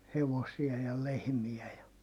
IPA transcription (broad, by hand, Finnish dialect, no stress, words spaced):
heʋosiɑ jɑ lehmiæ jɑ